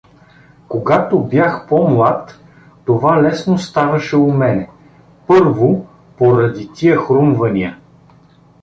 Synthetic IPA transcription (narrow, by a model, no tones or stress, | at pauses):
koɡat̪objaxpɔmlˠat̪ː | ovalɛsnost̪avɐʃɛʊmɛnɛ | pɤɾvo | poɾɐd̪it̪iəxɾumvɐnʲiə